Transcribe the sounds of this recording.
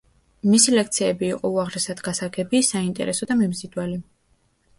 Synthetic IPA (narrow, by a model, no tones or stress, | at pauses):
misilɛk̚t̪sʰiɛbiːqʼɔuaʁɾɛsad̪ɡasaɡɛbisaint̪ʼɛ̰ɾʔɛsɔd̪amimzid̪wali